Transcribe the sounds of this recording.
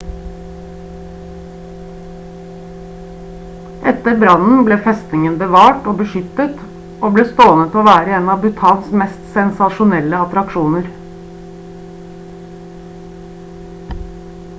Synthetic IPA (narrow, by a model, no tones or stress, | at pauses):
ʔɛt̪əɾbɾɑnn̩bleːfɛst̪nɪŋənbəʋɑːʈoːbəʃʏt̪ət̪ | ʔoːbleːst̪oːnət̪oːʋæːɾəeːnɑːbʉt̪ʰɑːlsmɛst̪sɛnsɑʃʊnɛləɑt̪ɾɑkʃuːnəɾ